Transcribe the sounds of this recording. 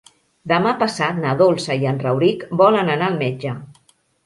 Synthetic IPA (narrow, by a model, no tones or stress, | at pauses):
d̪əmapəsat̪naðolˠsəiənrəwɾikbɔlənənaəlˠmed͡ʒə